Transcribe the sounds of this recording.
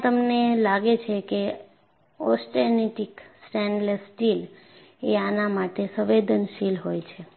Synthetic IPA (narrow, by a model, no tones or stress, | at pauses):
t̪əmnelaɡet͡ʃʰeke | ɔsʈeneʈiksʈɛɳɖləsʈil | eanamaʈesəʋed̪ʱənʃilɦojt͡ʃʰe